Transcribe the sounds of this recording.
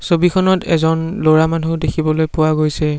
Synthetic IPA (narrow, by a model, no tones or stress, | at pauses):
sobikʰɔnɔtɛ̰zɔnloɹamanudekʰibɔlojpʊwaɡojsɛ